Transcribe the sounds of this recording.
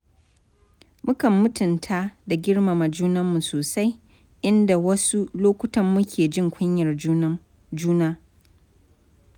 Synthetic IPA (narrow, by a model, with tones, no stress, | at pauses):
mʊ˦kɐ˨mːʊ˦tʊ˨ntʰaː˦da˨ɡʲɪ˦ɽma˨ma˨d͡ʒuː˦nɐ˦mːu˨soː˨sa˦j | ʔɪ˦nda˨wɐ˦su˦loː˦kʷʊ˦tɐ˨mːʊ˦kʲʰeː˨d͡ʒɪ˦ŋkʷʰʊ˦ɲjɐ˨r | d͡ʒuː˦naː˦